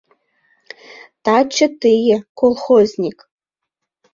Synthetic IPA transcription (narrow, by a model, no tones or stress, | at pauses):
t̪at͡ʃʰət̪ɨjɘkolˠxoznʲik